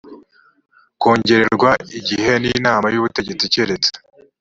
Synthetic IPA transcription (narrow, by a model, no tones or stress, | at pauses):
koːɲɟe̞ɾe̞ɾɡwaiɟihe̞ninaːmajuβute̞ɟe̞t͡siceɾet͡se̥